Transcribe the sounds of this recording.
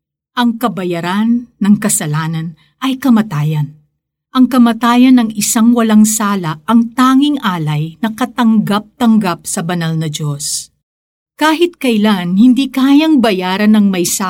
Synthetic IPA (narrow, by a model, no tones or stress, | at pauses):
ʔɐŋkɐbɐjɐɾanːɐŋkɐsɐlaːnɐn | ʔɐjkɐmɐt̪aːjɐn | ʔɐŋkɐmɐt̪aːjɐnɐŋɪsaŋwɐlɐŋsaːlɐʔɐŋt̪aːŋɪŋʔaːlɐjnɐkɐt̪ɐŋɡap̚t̪ɐŋɡap̚sɐbɐnalnɐd͡ʒos | kaːhɪt̪̚kɐɪlaŋhɪnd̪ikaːjɐŋbɐjaːɾɐnɐŋmɐjsa